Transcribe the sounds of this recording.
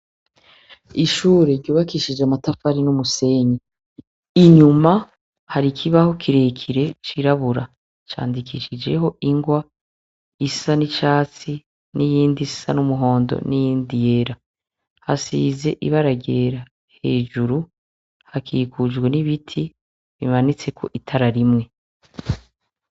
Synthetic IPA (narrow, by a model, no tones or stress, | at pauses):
iʃuːɾeɾɟoːβakiʃid͡ʒamatafaɾinumuse̞ːɲi | iɲuma | haɾikʰiβaho̞kʰiɾe̞kʰiɾe̞t͡ʃiɾaβuɾa | t͡ʃa̰ːndikʰiʃid͡ʒe̞ɦo̞iŋɡwa | issanit͡ʃaːt͡si | nijiːndissanumuɦo̞ːndo̰nijiːndije̞ɾa | hasiːze̞ʔiβaɾaɡeɾa | he̞ːʒuɾu | hakʰiːkud͡ʒɡwe̞niβitʰi | βimanit͡se̞kʰo̞̰ʔitʰaɾaɾimŋe̞